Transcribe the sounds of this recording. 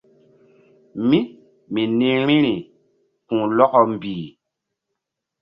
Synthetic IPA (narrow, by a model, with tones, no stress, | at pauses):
mi˦ | mi˨nĩ˦ɾĩ˦ɾi˨ | kũ˨lɔ˦kɔ˨m̩˨biː˨